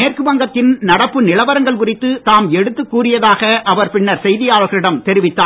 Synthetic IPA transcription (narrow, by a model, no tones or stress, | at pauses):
eːrkɯʋɐŋɡɐt̪ːɪnnɐɽɐpːɯnɪlɐʋɐɾɐŋɡɐɭkʊrɪt̪ːɯt̪aːmɛɽɯt̪ːɯkːuːrɪjɐðaːɣɐʔɐʋɐɾpɪɳːɐɾsɛjðɪjaːɭɣɐɭɪɽɐmt̪ɛɾɪʋɪt̪ːaː